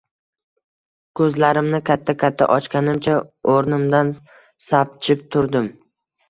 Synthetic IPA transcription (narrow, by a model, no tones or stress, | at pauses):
kʰɵzlaɾɪmnɪkʲʰat̪ʰːakʲʰat̪ʰːa̰ʔɒt͡ʃkʲanɪmt͡ʃʰaoɾnɪmd̪an | sap̚t͡ʃʰɪp̚t̪ʰʊɾd̪ɪm